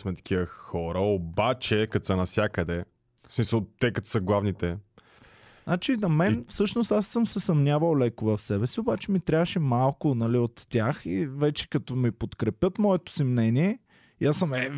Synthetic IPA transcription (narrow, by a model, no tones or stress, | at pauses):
smɛt̪ɐ̥k̟ʰiəxɔɾəobat͡ʃɛkɐt̪osɛnɐfsʲjakəd̪ɛ | smisəlˠt̪ɛkɐt̪ɔ̥səɡlˠavnit̪ɛ | nat͡ʃinɐmɛfsɤʃnost̪asːɤmsɛsɐmnʲavəwˠlɛkʊvɐfsɛbɛsiobat͡ʃɛmit̪ɾʲavəʃɛmalˠkʊnɐliot̪ːʲaxivɛt͡ʃɛ̥kɐt̪ɔmipot̪kɾɛpjɤt̪mɔɛt̪o̥simnɛniɛ | iasəmɛ